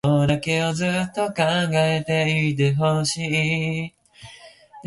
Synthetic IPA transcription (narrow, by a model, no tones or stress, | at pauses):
d̪ake̞ozɨt̪ːokãŋɡaet̪e̞iɾɯɦoɕi